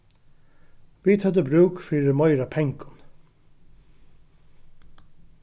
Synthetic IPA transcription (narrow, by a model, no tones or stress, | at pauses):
ʋit̪ʰœd̪əbɾʉːkfɾiːɾəmɔʏɾapʰɛŋkʊn